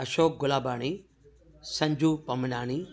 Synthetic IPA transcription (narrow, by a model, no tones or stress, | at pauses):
ɐʃoːk̚ɡʊlaːbaːɽ̃i | sɐ̃ɲd͡ʑʱuːpɐmɐnaːɽ̃i